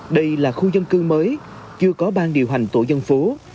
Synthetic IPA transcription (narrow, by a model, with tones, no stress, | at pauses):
ɗə˧jlaː˨˩xu˧zə˧nkɨ˧məː˨˦j | t͡ɕɨ˧əkɔ˨˦ɓaː˧nɗi˨˩əwɦa˨˩ŋ̟t̪o˧˩jzə˧nfo˨˦